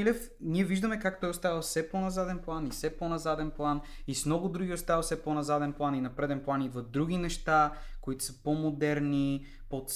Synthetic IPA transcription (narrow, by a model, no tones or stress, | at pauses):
lʲɛf | niɛviʒd̪əmɛkakt̪ɔjost̪avɐfsɛponɐzad̪ɛnplˠanifsɛponɐzad̪ɛnplˠanismnɔɡʊd̪ɾuɡʲiost̪avɐfsɛponɐzad̪ɛnplˠaninɐpɾɛd̪ɛnplˠanivɐd̪ɾuɡ̟inɛʃt̪akoit̪ʊ̥sə̥pomod̪ɛɾni | pot̪s